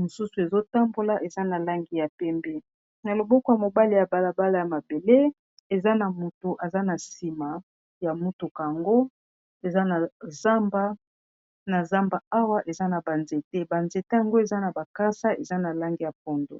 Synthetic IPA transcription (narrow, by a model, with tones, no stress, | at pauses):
mo˨su˦su˨e˨zo˦ta˦mbo˦la˦ʔe˨za˦na˨la˦ŋɡi˨ja˨pɛ˦mbɛ˦ | na˨lo˨bɔ˦kɔ˨˦ja˨mo˨ba˦li˨ja˨ba˦la˨ba˦la˨ja˨ma˨be˨le˦ | e˨za˦na˨mo˨to˨ʔa˨za˦na˨si˨ma˨ | ja˨mu˦tu˨ka˨a˨ŋɡo˦ | e˨za˦na˨za˦mba˦ | na˨za˦mba˨a˦wa˦ʔe˨za˦na˨ba˨nze˨te˦ba˨nze˨te˦ja˨ŋɡo˦e˨za˦na˨ba˨ka˦sa˦e˨za˦na˨la˦ŋɡi˨ja˨p̚ɔ˦ndo̰˨